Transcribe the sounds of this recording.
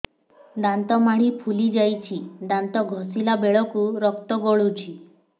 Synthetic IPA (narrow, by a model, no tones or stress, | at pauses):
d̪ant̪ɔmaɽ̃ipʰulid͡ʒajt͡ʃʰid̪ant̪ɔɡʱɔsilabeɭɔkuɾɔk̚t̪ɔɡɔɭut͡ʃʰi